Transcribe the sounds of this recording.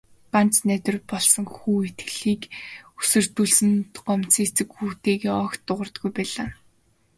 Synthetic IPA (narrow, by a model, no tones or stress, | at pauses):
ɢant͡snæt̪ʲɪ̆rpɔɮsɞ̆ŋxuːet̪ɡɮiːkusɵ̆r̥t̪uːɮsɘ̆nt̪ɢɔm̥t͡siːt͡sɘ̆kxuːt̪eːɣeːɔkt̪ːʊʁə̆rt̪ɡujpæːɮaː